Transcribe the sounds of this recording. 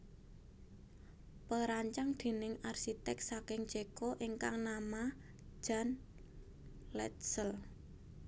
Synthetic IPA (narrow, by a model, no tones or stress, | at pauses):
pəɾaɲt͡ʃaŋd̪̥e̤nɪŋarsit̪ɛk̚sakɪŋd̥d͡ʒ̥ekoʔiŋkaŋnamḁ | d͡ʒ̥a̤n | lɛ̰t̪̚səl